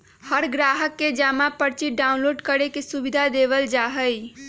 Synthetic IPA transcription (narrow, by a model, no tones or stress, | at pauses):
həɾɡɾaɦəkːed͡ʒamapəɾt͡ʃiɖaunloɖkəɾekesubid̪ʱad̪eʋəld͡ʒaɦəj